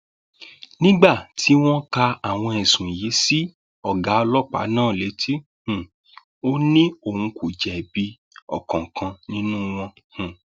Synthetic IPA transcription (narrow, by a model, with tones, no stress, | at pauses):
nĩ˦ɡ͡ba˦˨tʰi˨˦w̃ɔ̃˦ka˧a˨w̃ɔ̃˧ɛ˨sũ˨je˨˦si˦ | ɔ˦˨ɡa˨˦ɔ˧lɔ˦k͡pa̰˨˦nãː˦˨le˨˦tʰi˦ | hũ˨ | o˦nĩ˦o˨hũ˧ku˨d͡ʒɛ˨bi˧ | ɔ̰˨kɔ̃˨kã˧nĩ˦nũ˦w̃ɔ̃˧ | hũ˨